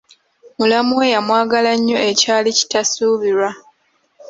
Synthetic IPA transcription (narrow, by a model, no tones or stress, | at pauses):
mulamuwejamwaːɡalaɲːo̞e̞caːlici̥tasuːβiɾwa